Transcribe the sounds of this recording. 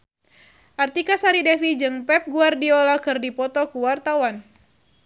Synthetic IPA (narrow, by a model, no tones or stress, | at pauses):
ʔart̪ikasaɾidɛfid͡ʒɨŋpɛp̚ɡuardiɔlakɨrdipɔt̪ɔkuwart̪awan